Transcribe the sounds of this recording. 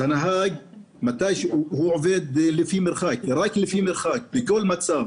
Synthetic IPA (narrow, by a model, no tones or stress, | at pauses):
anaɦaːɡ | mat̪aːʃhuʕveːd̪lɪfimɪɾxaːkɾˤɑːklɪfiːmɪɾxaːk̚bɪkolːmat̪saːm